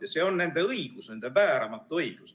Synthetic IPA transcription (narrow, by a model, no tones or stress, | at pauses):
jɑseːo̞nːe̞nd̪̥e̞ɤiɡ̥usnend̪̥epæːɾɑmɑt̪ːˑuɤiɡ̥us